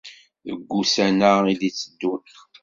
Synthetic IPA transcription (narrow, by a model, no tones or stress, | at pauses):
ə̰ɡʷːusænəiðit͡sːəd̪ːu